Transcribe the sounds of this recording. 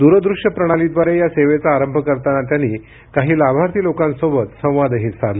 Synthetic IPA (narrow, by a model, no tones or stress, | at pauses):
d̪uɾəd̪ɾuʂjəpɾəɽ̃alid̪ʋaɾejaseʋet͡saːɾəmbʱəkəɾt̪anat̪̬janːiː | kaɦiːlabʱaɾt̪ʰiːlokansobət̪sə̃w̃ʋad̪əɦit͡ssaɾlə